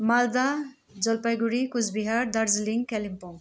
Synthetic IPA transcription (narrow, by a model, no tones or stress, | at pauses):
mald̪a | d͡ʒʌlpajɡuɾikuzbiɦaɾd̪aɾziliŋkɛlimpɔŋ